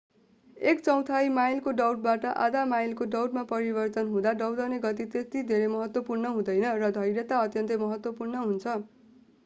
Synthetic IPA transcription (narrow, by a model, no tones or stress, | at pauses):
ekt͡sʌw̃t̪ʰajmajlkoɖʌwʈ̚baʈʌʔa̰d̪amajlkoɖʌwʈmapʌɾibʌrt̪ʌnɦũd̪aɖʌwd̪ʌneɡʌt̪̬it̪et̪id̪ʱeɾemʌɦʌt̪wʌpurnʌɦũd̪ʌjnʌrʌd̪ʱʌjɾʌt̪aʌt̪jʌnt̪ʌmʌɦʌt̪wʌpurnʌɦunt͡sʰʌ